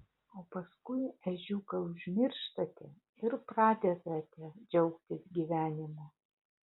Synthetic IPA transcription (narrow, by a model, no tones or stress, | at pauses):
oːpɐskʊɪɛʒʲukɐʊʒʲmʲɪɾʲʃt̪ɐt̪ʲɛ | ɪɾpɾɑːd̪ʲɛt̪ɐt̪ʲɛd͡ʒʲɛʊkt̪ʲɪsɡʲiːʋʲæːnʲɪmoː